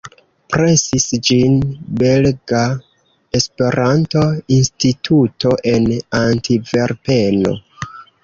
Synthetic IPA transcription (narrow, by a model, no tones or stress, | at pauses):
pɾe̞sisd͡ʒinbe̞lɡa | e̞spe̞ɾanto̞institʰuto̞ʔe̞nantʰive̞ɾpe̞no̞̰